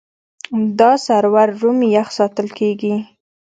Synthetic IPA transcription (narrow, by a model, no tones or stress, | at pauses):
d̪ɑsaɾwaɾːumjaxsɑt̪əlkeɡi